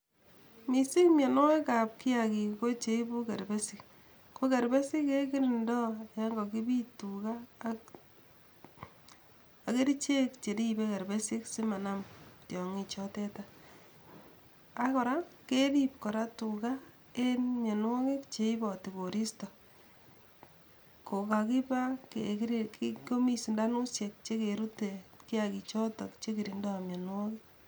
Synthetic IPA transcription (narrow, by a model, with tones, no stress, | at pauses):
mi˨sɪ˦kmja˨nwɔ˦ɪka˨p̚kɪ˦a˨ki˨ko˦t͡ʃe˦ibu˦ke˨ɾbɛ˦sɪ˨k | ko˦ke˨ɾbɛ˦sɪ˦ke˦k̬i˦ɾi˨ndɔ˦ja˦ŋɡɔ˨ki˦bi˦tu˨ka˦˨ | ke˦ɾi˦t͡ʃe˦kt͡ʃe˨di˦be˦ke˨ɾbe˦si˦ksi˦ma˨na˦mtjɔ˨ŋi˨t͡ʃɔ˦tɛ˦ta | a˦kɔ˨ɾa˦keɾip̚kɔ˨ɾa˦tu˨ka | e˦nmje˨nwɔ˦kekt͡ʃe˨ibɔ˨ti˨ko˨ɾi˦sta˨ | ko˨ka˨ki˦pa˦kekɾkiko˦mi˦si˨nda˦nu˦sje˨k̚t͡ʃe˦keɾu˦teki˦aki˨t͡ʃɔ˦tɔ˨kt͡ʃe˦ki˨ɾi˨ndo˦amje˨nwɔ˦ki˦